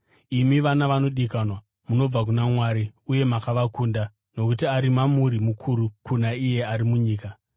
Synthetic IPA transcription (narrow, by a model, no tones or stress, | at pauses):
imiʋanaʋano̞ɗikanwa | muno̞b͡vak̬unamwaːɾiuje̞makaʋakuːnda | no̞kutiaɾimamuɾimukʰuɾukunaije̞aɾimuɲiːka